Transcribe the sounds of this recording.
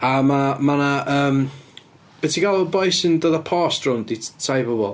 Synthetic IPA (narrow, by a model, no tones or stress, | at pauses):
amamanaəːm | b̥ɛtʰiɡalˠʊbɔjsɪndəðəpʰɔstrʊnditʰajvəbɔ̰lˠ